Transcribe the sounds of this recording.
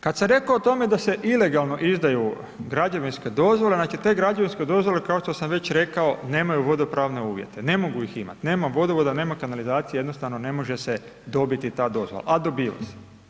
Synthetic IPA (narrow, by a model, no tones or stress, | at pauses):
kad̪samɾe̞koːt̪o̞me̞d̪ase̞ʔile̞ɡalˠno̞ʔizd̪aju | ɡɾad͡ʒaʋinske̞d̪o̞zʋo̞lenaːt͡ʃit̪e̞ːɡɾad͡ʒaʋinske̞d̪o̞zʋo̞le̞kaoʃt̪o̞samʋe̞t͡ɕɾe̞kao̞ne̞ːmajuʋo̞d̪o̞pɾaːʋne̞uːʋje̞̰t̪e̞ne̞mo̞ɡuixima̰t̪ine̞ːmaʋo̞d̪oʋod̪ane̞ːmakanalizaːt̪sijejed̪no̞st̪aʋnone̞mo̞ʒe̞se | d̪o̞bit̪it̪aːd̪o̞zʋola̰ʔad̪o̞biːʋa̰se̥